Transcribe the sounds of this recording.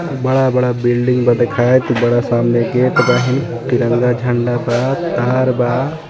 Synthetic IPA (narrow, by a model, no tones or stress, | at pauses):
bɐɽabɐɽabilɖiŋɡbad̪ekʰajt̪bɐɽasaːmneɡeʈbaɦin | t̪iɾəŋɡad͡ʒʱəɳɖabat̪aːɾba